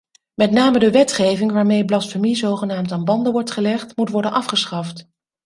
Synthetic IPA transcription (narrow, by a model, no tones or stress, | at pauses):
mɛtnaːmədəʋɛtχejvɪŋʋaːɹmejblɑtfəɹmizowχənaːmtaːnbɑndəʋɔɹtχəlɛχtmutʋɔɹdənʔɑfχəsχɑft